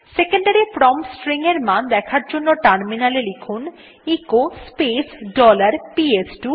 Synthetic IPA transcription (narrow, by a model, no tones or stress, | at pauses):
sekeɳɖaɾipɾɔmsʈɾiŋeɾmand̪ɛkʰaɾd͡ʑonːoʈaɾminalelekʰun | ikospesɖɔlaɾpiesʈu